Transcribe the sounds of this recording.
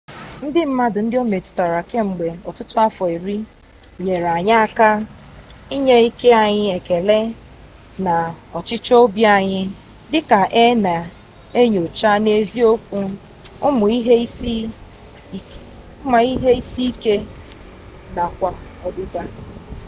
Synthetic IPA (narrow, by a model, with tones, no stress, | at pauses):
n̩˦dɪ˦m̩˦ma˦dʊ˨n̩˦dɪ˦o˦me˨tʊ̥˨ta˨ɾa˨ke˦ŋ͡m̩˨ɡ͡be˨ɔ˨tʊ˦tʊ˦a˦fɔ˨i˨ɾi˦ | ɲe˨ɾa˨ɲa˦a˦ka˦ | i˦ɲe˦i˦ke˦a˨ɲɪ˦e˨ke˨le˦ | na˨ɔ˨t͡ʃɪ˦t͡ʃo˦bja˦˨ɲɪ˦ | dɪ˦ka˨ʔe˦na˨ | e˦ɲo˨t͡ʃa˦ne˦vi˦o˦kʷu˦ | ʊ˦mʊ˨i˦ɦe˦i˦si˦ | ʊ˦ma˨i˦ɦe˦i˦si˦i˦ke˦ | na˨kʷa˦ɔ˨dʊ˦ba˦